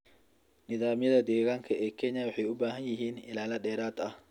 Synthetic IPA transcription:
nɪðaːmjɐðɐd̪ɛːɣaːŋkʰɐʔɛːkʰɛɲɐwɑħɑjʊbaːɦɐnjɪɦiːnɪlaːlɐɗɛːɾaːd̪ɐh

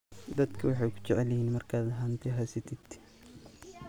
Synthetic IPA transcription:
d̪ɐd̪kʰɐwɑħɑjkʰʊ̥t͡ʃɛʕɛlɛhiːnmɐrkʰaːd̪ɦɐnt̪ʰɛɦɐsɪt̪ʰɪd̪

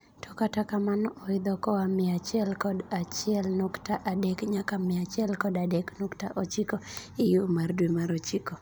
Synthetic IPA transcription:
tʰɔkatakamanɔɔɪd̪ɔkɔamɪat͡ʃɛlkɔdat͡ʃɪɛlnɔktaʔadɛkɲakamɪat͡ʃɛlkɔdadɛknɔktaʔot͡ʃikɔɪjumardwimaɾɔt͡ʃikɔ

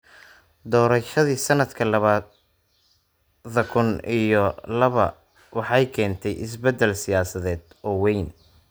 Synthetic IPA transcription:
d̪ɔːɾɐʃɐðiːsɐnɐd̪kʰɐlɐβaː | ðɐkʰʊnijɔlɐβɐ̰ | wɑħɑjkʰɛːnt̪ʰɛjʔɪs̬bɛd̪ːɛlsɪjaːsɐðɛːd̪̥ | ɔːwɛjn

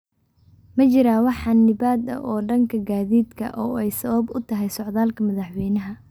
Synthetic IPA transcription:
mɐt͡ʃɪɾaːwɑħɑnːɪbaːd̪ɐ̰ʔɔːɖɐŋkʰɐɡaːðiːd̪kʰɐ̰ʔɔːɛjsɐβɐbʊt̪ʰɐɦɛjsɔʕðaːlkʰɐmɐðɑħwɛjnɐɦɐ

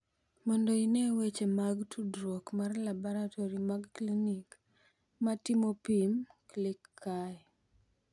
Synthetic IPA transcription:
mɔndoinewet͡ʃemaɡtʰudɾokmarlabɔɾatʰoɾimaɡklinik | matimopimklɪkʰːa

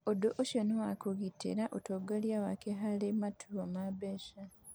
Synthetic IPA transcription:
odoʔoʃonowakuɣitʰḭɾaʔotoɡaljawakeɦalimatʰuomabeʃa

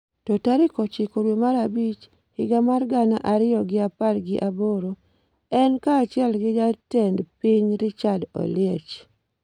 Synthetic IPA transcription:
totaɾɪkɔt͡ʃɪkoɾwomaɾabit͡ʃ | hɪɡamarɡanaʔaɾɪjɔɡɪapalɡɪʔaboɾo | ɛnkaːt͡ʃɪɛlɡɪd͡ʒatendpiɲɾɪt͡ʃado̰lɪet͡ʃ

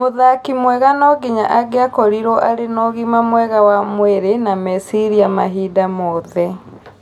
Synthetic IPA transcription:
moðakimwɛɣanɔɡiɲa̰ʔaɡeakɔɾiɾɔʔaɾenɔɣimamwɛɣawamweɾenamɛsiɾiamaɦidamɔðɛ

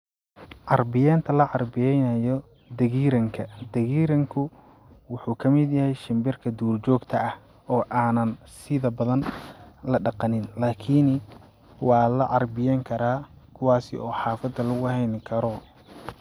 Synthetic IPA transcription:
ʕɑrbɪjaːnt̪ʰɐlɐʕɑrbɪjɛjnɐjɔ | d̪ɐɣiːɾɐŋkʰɐd̪̥ɐɣiːɾɐŋkʰʊ | wʊħuːkʰɐmɪd̪jɐhɛjʃɪmbɪrkʰɐd̪uːrt͡ʃɔːɡt̪ʰɐɐh | ɔːʔaːnɐn | sɪðɐbɐðɐnlɐɖɑqɑnɪnlaːkʰɪn | wɑːlɐʕɑrbɪjɛːŋkʰɐɾaː | kʰʊwɑːsɪ̰ɔːħɑːfɐd̪ːɐlʊɣʊhɛjnkʰɐɾɔ

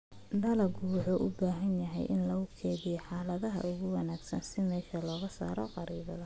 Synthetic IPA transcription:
ɖɐlɐɡuwɑħoʔʊbaːɦɐnjɐɦɛ̰jʔɪnlɐʊkʰɛːðiħɑːlɐðɐɦɐ̰ʊɣʊwɑnaːɡsɐnsɪmɛːʃɐlɔːɣɐsa̰ːɾɔqɑɾiːβɐðɐ

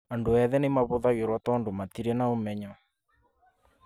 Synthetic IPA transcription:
andoɛðɛnemaβoðaɣeɾwatɔndomat̪iɾɛnaomɛɲɔ

